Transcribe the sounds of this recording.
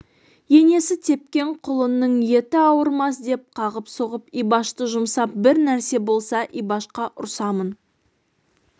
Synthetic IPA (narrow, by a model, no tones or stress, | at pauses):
je̞ne̞sɪt̪ʰe̞p̚kʲe̞ɴqʰʊlˠənːəɴje̞t̪ɪɑwəɾmɑs̬d̪e̞p̚qʰɑʁəpsoʁəpijbɑʃt̪əʒʊmsɑp̚bɪɾnæɾse̞bo̞lˠsɑʔijbɑʃqɑʔʊ̰ɾsɑmən